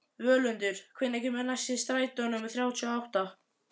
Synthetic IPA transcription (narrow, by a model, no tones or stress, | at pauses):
vœːlʏnt̪ʏɾ̥kʰvɪnːɛhçcɪmɛnːasɪðst̪ɾaːjt̪ɔnʏmθɾjawt̪ʰiuaawht̪a